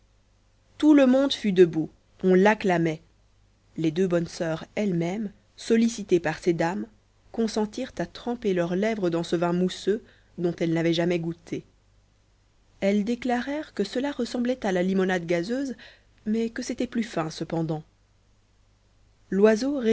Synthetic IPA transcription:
t̪uləmɔ̃d̪fyd̪əbu | ɔ̃laklamɛ | led̪øbɔnsœʁɛlmɛm | sɔlisit̪epaʁsed̪am | kɔ̃sɑ̃t̪iʁt̪at̪χɑ̃pelœʁlɛvʁəd̪ɑ̃səvɛ̃musø | d̪ɔ̃t̪ɛlnavɛʒamɛɡut̪ʰe | ɛld̪eklaʁɛʁkəsəlaʁəsɑ̃blɛt̪alalimɔnad̪ɡazøz | mɛkəset̪ɛplyfɛ̃səpɑ̃d̪ɑ̃ | lwazoʁe

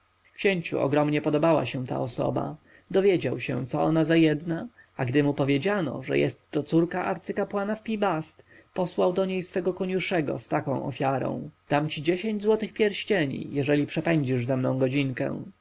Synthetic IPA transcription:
kɕeɲt͡ɕṵʔɔ̰ɡɾɔmɲɛpɔd̪ɔbawa̰ɕɛ̃t̪a̰ɔsɔ̰ba̰ | d̪ɔvʲjɛd͡ʑawɕɛ̰̃t̪sɔɔnazajɛd̪na | aɡd̪ɘmupɔvʲjed͡ʑanɔ̰ʐɛ̰jɛst̪ːɔt̪suɾkaʔaɾt̪sɘkapwanafpʲibast̪pɔswawd̪ɔɲejsfɛɡɔkɔɲuʂɛɡɔ̰st̪akɔ̃w̃ʔɔ̰fʲjaɾɔ̰̃w̃d̪̥amt͡ɕid͡ʑeɕeɲd͡ʑzwɔt̪ɘxpʲjɛɾɕt͡ɕeɲḭjɛʐɛlʲipʂɛpɛɲd͡ʑiʐzɛmnɔ̃w̃ɡɔd͡ʑiŋkɛ̰̃w̃

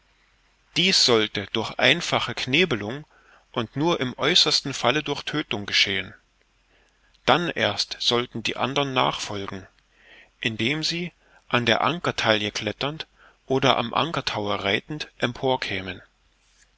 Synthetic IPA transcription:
d̥iːsz̥ɔltəd̥ʊɐçʔa̰ɪnfaχəkʰneːbəlʊŋ | ʔʊntnuːɐʔɪmʔɔʏsɐstn̩falədʊɐçtʰøːtʊŋɡəʃeːən | d̥anʔḛːɐstz̥ɔltn̩dḭːʔa̰ndɐʁnːa̰ːχfɔlɡŋ̩ | ʔɪndeːmziː | ʔandeːɐʔaŋkɐtʰaljəkʰl̥ɛtɐnt | ʔoːdɐʔa̰mʔa̰ŋkɐtʰaʊɐʁaɪtn̩tʔɛmpʰoːɐkʰɛːmən

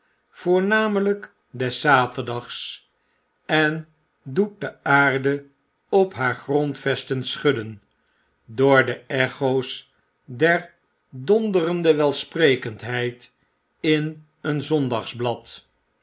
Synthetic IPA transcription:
v̥ʊːɹnaːmələk | dɛsaːtəɹdɑχs | ɛn | dut̚dəaːɹdə | ɔpɦaːɹχrɔntfɛstənsχɵdən | doːɹdəɛχows | dɛɹ | dɔndərəndəʋɛlˠsprejkəntɦɛjt | ɪn | ənzɔndɑχzblɑt

